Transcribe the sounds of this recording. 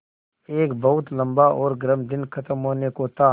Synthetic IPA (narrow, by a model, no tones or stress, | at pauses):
eːkbɐɦʊt̪lɐ̃mbaʔɔːɾɡəɾəmd̪ɪnkʰɐt̪əmɦoːnekot̪aː